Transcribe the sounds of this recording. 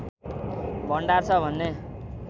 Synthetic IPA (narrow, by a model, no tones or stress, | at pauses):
bʌɳɖart͡sʰʌbʱʌnːe